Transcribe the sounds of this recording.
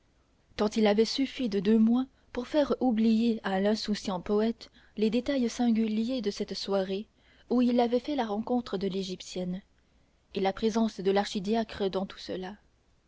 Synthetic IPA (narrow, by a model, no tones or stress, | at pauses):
kɑ̃t̪ilavɛsyfid̪əd̪ømwɛ̃ | puʁfɛʁublijealɛ̃susjɑ̃pɔɛt̪ | led̪et̪ajsɛ̃ɡʲyljed̪əsɛt̪swaʁe | uilavɛfɛlaʁɑ̃kɔ̃t̪χəd̪əleʒipsjɛn | elapχezɑ̃sd̪əlaʁʃid̪jakχəd̪ɑ̃t̪u̥səla